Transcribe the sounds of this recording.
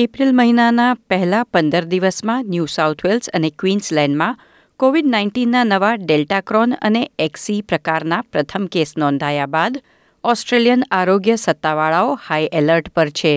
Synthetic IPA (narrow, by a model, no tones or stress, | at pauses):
epɾilməɦinanapəɦɛlapənd̪əɾd̪iʋəsmãnjusaut̪ʰʋelsə̰nekʋinslɛ̃ɳɖmã | koʋiɖnaiɳʈinːanəʋaɖelʈakɾɔnə̰neɛksipɾəkaɾnapɾət̪ʰəmkesnɔ̃nd̪ʱajabad̪ | ɔsʈɾelijənaɾoɡjəsət̪ːaʋaɭaohaiʔeləɾʈpəɾt͡ʃʰe